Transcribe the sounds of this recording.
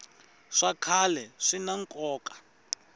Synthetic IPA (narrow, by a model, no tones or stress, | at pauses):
ʂakʰalɛʂinaŋkʼɔːkʼḁ